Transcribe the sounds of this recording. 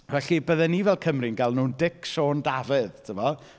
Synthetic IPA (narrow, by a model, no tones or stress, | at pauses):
vɛɬibəðɛnivɛlˠkʰəmrɪnɡalˠnuːndɪkʃoːndavɨðtʰəvɔ